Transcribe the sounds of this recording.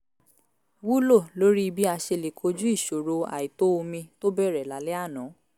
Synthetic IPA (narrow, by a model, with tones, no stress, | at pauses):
wu˦lo˦˨lo˦ɾi˦˧bi˦a˧ʃe˧le˨kʰo˧d͡ʒu˦i˦˨ʃo˨ɾo˧a̰˨i˨to˦o˧mĩ˧to˦bɛ˦˨ɾɛ˨la˨˦lɛ˦a˦˨nɔ̃˨˦